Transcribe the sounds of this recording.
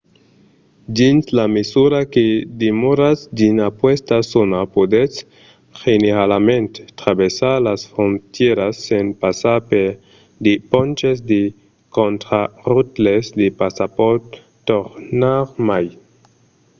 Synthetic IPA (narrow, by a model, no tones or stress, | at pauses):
d͡ʒinslamesuɾaked̪emoɾasdinapwestasonapod̪et͡s | xeneɾalament̪tɾabesalasfɾontjeɾasːenpasape | d̪epont͡ʃes̬d̪e | kontɾaʁutlesdepasapotː | oɾnaɾmaj